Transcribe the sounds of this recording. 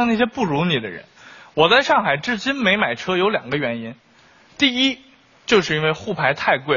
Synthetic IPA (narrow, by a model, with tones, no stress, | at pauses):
na˥˩ɕ̬jɛ˥pu˥˩ɻu˧˥ni˨˩d̪ə̰˦ɻə̰˧˥nwɔ˨˩t͡sa˥˧ɪʂɑ˥˩ŋxa˨˩ɪʈ͡ʂɻ̩˥˩t͡ɕi˥nme˧˥ɪma˨˩ɪʈ͡ʂʰɤ˥jo˧˥ʊljɑ̰˨˩ŋɡə˦ɥɛ˧˥ni˥n | t̪i˥˩i˥ | t͡ɕjo˥˧ʂ̬ɻ̩˥˩˧i˥nwe˥˧ɪxu˥˩pʰa˧˥ɪt̪ʰa˥˧ɪkwe˥˩